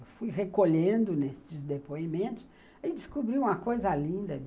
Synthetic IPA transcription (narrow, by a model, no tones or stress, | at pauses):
wfujɦekoʎẽnd̪ʊnesɪzd̪epoimẽnt̪ʊ̥s | id͡ʒɪskubɾiũmɐkojzɐlĩnd̪ɐ